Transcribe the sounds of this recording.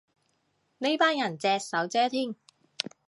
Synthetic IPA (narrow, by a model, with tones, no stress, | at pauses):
ne˥jpaː˥njɐ˨˩nt͡sɛː˧sɐ˨˥wt͡sɛː˥t̪ʰiː˥ŋ